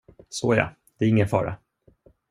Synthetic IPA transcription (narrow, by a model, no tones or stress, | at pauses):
soːja̰ | d̪̥ɛæɾɪŋːənfɑ̰ːɾa̰